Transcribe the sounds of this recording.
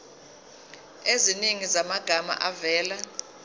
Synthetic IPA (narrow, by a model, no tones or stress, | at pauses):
eziniŋizamaɡ̥ʱama̰ʔavɛːla